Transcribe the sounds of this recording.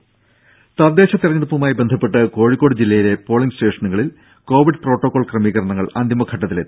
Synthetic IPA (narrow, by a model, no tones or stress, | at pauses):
t̪ɐrd̪e̞ːɕɐt̪irɐɲːɐɽupːumaːjibend̪ʱɐpːe̞ʈːɨko̞ːɻikːo̞ːɽɨd͡ʑilːɐjile̞po̞ːɭiŋsʈe̞ːʂɐnuɣɐɭil | ko̞ːʋiɖɨpro̞ːʈːokːoɭkrɐmiːɣɐɾɐɳɐŋːɐɭɐ̰nd̪ʱimɐkʰɐʈːɐt̪ːilet̪ːi